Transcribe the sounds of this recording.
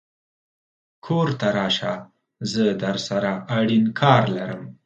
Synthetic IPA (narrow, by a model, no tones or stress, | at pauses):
kʰoɾt̪aɾɑʃa | zəd̪aɾsaɾaʔaɽinkʰɑɾlaɾəm